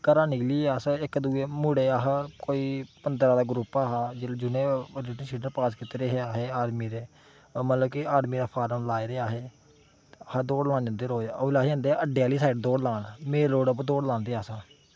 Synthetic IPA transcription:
kəɾãːniːliːaːsaɪkd̪uːeːmʊɽeːaːɦakoːiːpənd̪ɾaːd̪aːɡɾuːpaːɦaːd͡ʒed͡ʒʊnẽːɾeːʈəsiːɖəɾpaːskɪt̪eːɾeɦeaːɦeːaːɾmiːɾeː | mət̪ləbkiaːɽmiːɾaːpʰaːɾəmlaːeɾeːaːɦeː | əhad̪oːɽlãːnd͡ʒə̃nd̪eːɾoːlaːɦə̃ːnd̪eːəɖejaːliːsaːɪʈ̚d̪oːɽlaːnmeːloːɽəp̬d̪oːɽlãːnd̪eːaːsãː

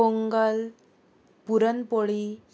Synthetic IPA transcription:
oŋɡəl | puɾənpoɭi

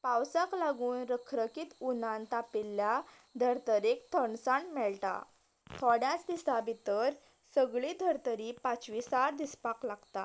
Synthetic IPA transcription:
pawsaklaɡuːnɾəkʰɾəkit̪unãnt̪apilːja | d̪ʱəɾt̪əɾekt̪ʰəɳsaɳmɛɭʈa̰ | t̪ʰɔɽjat͡sd̪isabʱit̪əɾ | səɡɭid̪ʱəɾt̪əɾiːpat͡sʋisaɾd̪ispaklaɡt̪a̰

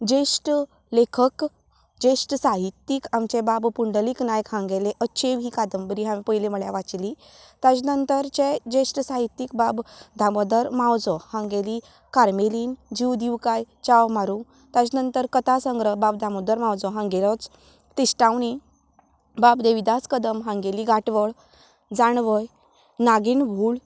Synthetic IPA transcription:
d͡ʑesʈ | lekʰək | d͡ʑesʈsaɦit̪ːikamt͡ɕebabpuɳɖəliknajkɦãŋɡeleʔətːɕʰeʋiːkad̪əmbəɾiɦamipəjleməɭjaʋat͡sli | t̪at͡snənt̪əɾt͡ɕed͡ʑesʈsaɦit̪ːik̚babd̪ʱaməd̪əɾmawd͡zɔhãŋɡeli | kaɾmeliːnd͡ʑiʋd̪iʋkajt͡ɕawmaɾũ | t̪at͡snənt̪əɾkət̪asəŋɡɾəbabd̪ʱamod̪əɾmawd͡zɔɦãŋɡelɔt͡s | t̪isʈãwni | babd̪eʋid̪askəd̪əmɦãŋɡeliɡaʈʋəɭ | d͡zaɳʋəj | naɡinbʱuːɭ

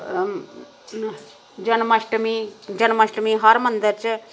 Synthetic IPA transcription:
d͡ʒɐnmɐʃʈmid͡ʒɐnmɐʃʈəmiɦɐɾmɐnd̪əɾt͡ʃ

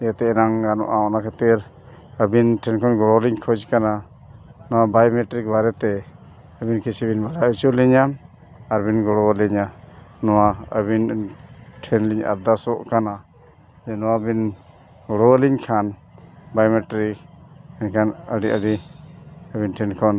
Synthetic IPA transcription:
ɛjat̪ɛɛɾaŋɡanɔ̰ʔaɔnakʰat̪iɾ | əbinʈʰɛnkʰanɡɔɽɔliɲkʰɔd͡ʒkana | nɔwabajmɛʈɾik̚baɾɛt̪ɛ | əbinkit͡ʃʰibinbaɽaut͡ʃɔliɲam | aɾbinɡɔɽɔwəliɲanɔwaə̰βin | ʈʰɛnliɲa̰ɾd̪asɔʔkana | d͡ʒɛnɔwabin | ɡɔɽɔwəliɲkʰanbajmɛʈɾik̚ɛnkʰanəɖiʔəɖi | əbinʈʰɛnkʰɔn

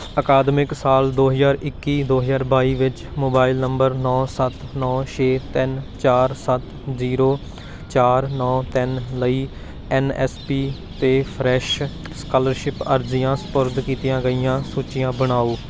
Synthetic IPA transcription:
əkaːd̪mɪksaːld̪oːɦəzaːɾɪkːiːd̪oːɦəzaːɾbaːiːʋɪt͡ʃmoːbaːɪlnəmbəɾnɔːsət̪nɔːʃʰeːt̪ɪnt͡ʃaːɾsət̪ | ziːɾoː | t͡ʃaːɾnɔːt̪ɪnləiː | ɛnɛːspiː | t̪eːpʰɾɛːʃ | skələɾʃɪpəɾzɪjãːsə̥pʊɾd̪kiːt̪ijãːɡəijãːsuːt͡ʃɪjãːbəɽ̃aːuː

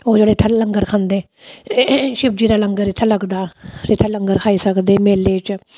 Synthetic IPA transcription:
oːd͡ʒoːleːt̪ʰːãːləŋɡəɾkʰãːnd̪eː | ʃɪb̚d͡ʒiːɾaːləŋɡəɾɪt̪ʰːãːləɡd̪aːset̪ʰːãːləŋɡəɾkʰaːiːsəkd̪eːmeːlːeːt͡ʃ

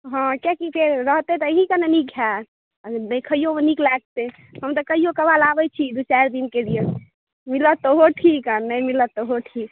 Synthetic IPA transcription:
ɦɔ̃kekipʰeɾɾəɦt̪et̪əɦĩkəneniɡʱa | nəkʰəijoʋəniklaɡ̚t̪e | ɦəmt̪ɔkəɦijokəbalabɛt͡ʃʰid̪ut͡ʃɛɾd̪inkelije | milət̪ːoɦoʈʰikənəmilət̪ːoɦoʈʰik

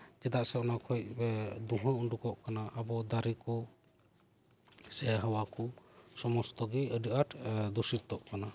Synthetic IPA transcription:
d͡ʒɛd̪aʔsɛɔnakʰɔc̚d̪uɦɔ̃uɳɖukɔʔkanaʔabɔd̪aɾikɔ | sɛɦawakusɔmɔst̪ɔɡɛəɖəʔaʈd̪usiɾt̪ɔʔkana

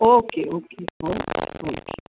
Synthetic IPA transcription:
okeokʰehookʰe̥

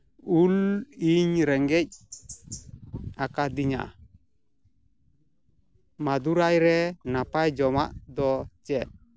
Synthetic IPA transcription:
uliɲɾɛŋɡɛc̚ | akad̪iɲa̰ | mad̪uɾajɾɛnapajd͡ʒɔmaʔd̪ɔd͡ʒɛʔ

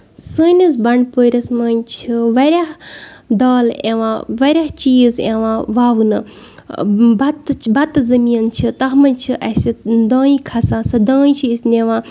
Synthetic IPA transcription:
sɨnis̬bɐɳɖpoːɾʲɐsmɐːnʲt͡ʃʰiʋɐɾʲaɦd̪aːlḛʋãːʋɐɾʲaht͡ʃiːzeʋãːʋawnɨ | bɐt̪bɐt̪zɐmiːɐnt͡ʃʰit̪ɐɦmɐnʲt͡ʃʰiʔɐsid̪ãːĩkʰɐsaːsɐd̪ɐːĩt͡ʃʰiisneʋãː

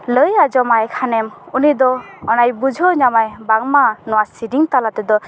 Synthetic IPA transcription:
ləjad͡ʒɔmajkʰanɛmunid̪ɔɔnajbud͡ʒʱɔɲamajbaŋmanɔwasidiŋt̪alat̪ɛd̪ɔ

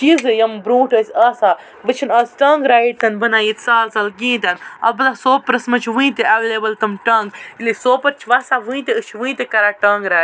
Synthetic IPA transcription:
t͡ʃiːzɨjɐmbɾũːʈəsʲaːsa | ʋɨt͡ʃʰinɐːsʲʈɐːŋɡɾaːiʈt̪ɐnbɐnaːjit̪ʲsaːlsɐlɡĩːt̪ɐnɐ̰bɨlasoːpɾɐsmɐt͡ʃʰʋɨ̃ĩt̪eɐʋeːleːbɐlt̪ɐmʈɐŋɡilesoːpɐɾt͡ʃʰʋaːsaʋɨĩt̪eɨʃʰʋɨ̃ĩt̪ekɐɾaːʈɐːŋɡɾaː

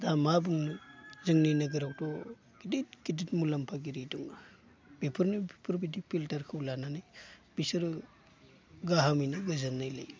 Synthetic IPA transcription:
damabuŋzɯŋninaɡɯɾawtɔ | ɡ̥idit̚ɡiditmulampʰaɡiɾiduŋa | b̥ipʰɯɾnɯbipʰɯɾbidipʰiltaɾkʰɯwlananajb̥isɯɾɯ | ɡaɦamijnɯɡɯzanːajla̰j

